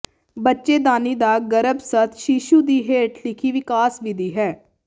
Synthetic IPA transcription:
bətːʃeːd̪aːniːd̪aːɡəɾəbsət̪ʰʃiːʃuːd̪iːɦeːʈlɪkʰiːʋɪkaːsʋɪd̪iːɦɛː

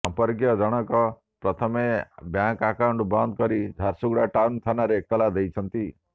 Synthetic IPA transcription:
sɔmpɔɾkjɔd͡ʒɔɽ̃ɔkɔ | pɾɔt̪ʰɔmebjaŋkakawuɳʈbɔnd̪̚kɔɾid͡ʒʱaɾsuɡɽaʈawnt̪ʰanaɾeːk̚t̪ɔlad̪ejt͡ʃʰɔnt̪i

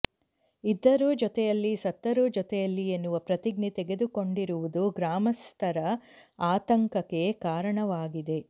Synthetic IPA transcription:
id̪ːɐɾuːd͡ʒɔt̪ɛjɐlːisɐt̪ːɐɾud͡ʒɔt̪ɛjɐlːienːuʋɐpɾɐt̪iɡnit̪eɡe̞d̪uko̞ɳɖiɾuʋud̪uɡɾaːmɐst̪ʰɐɾɐaːt̪ɐŋkɐkːekaːɾɐɳɐʋaːɡid̪e̞

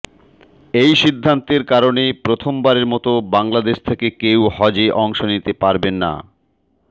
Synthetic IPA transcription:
ejʃid̪ʱːant̪eɾkaɾonepɾot̪ʰombaɾeɾmɔt̪obaŋlad̪eʃt̪ʰekekewhɔd͡ʑeʔɔŋʃonit̪epaɾbenːa̰

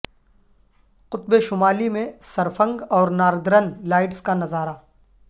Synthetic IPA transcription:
qʊt̪beʃʊmaːlimẽsɐɾfɐ̃ŋɡɔːɾnaːɾd̪ɾənlaːɪʈskanɐzaːɾaː

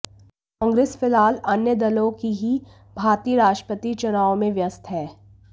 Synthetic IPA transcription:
kɔ̃ːŋɡɾeːsfɪlaːlɐnjəd̪ɐlõkiɦi | bʱaːɾt̪iːɾaːʃʈəpət̪it͡ʃʊnaːomẽʋjɐst̪ʰɦɛː

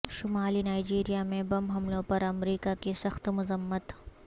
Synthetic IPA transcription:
ʃʊmaːlinaːɪd͡ʒiːɾijamẽbɐmɦɐmlõpɐɾɐmɾiːkakisɐxt̪mʊzəmːət̪

